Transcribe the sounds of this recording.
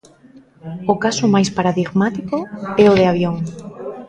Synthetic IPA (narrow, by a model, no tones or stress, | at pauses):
okasomajspaɾaðiɣmat̪ikoɛoðeaβ̞joŋ